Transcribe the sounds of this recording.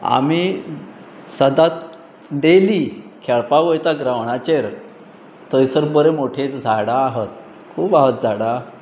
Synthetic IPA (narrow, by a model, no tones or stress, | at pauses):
a̰mi | səd̪at̪̚ | ɖelikʰɛɭpaʋəjt̪aɡɾaʋɳat͡ɕeɾ | t̪əjsəɾbəɾemoʈʰet͡sd͡zʱaɽaːɦət̪̚ | kʰuːpaɦət̪̚d͡zaɽa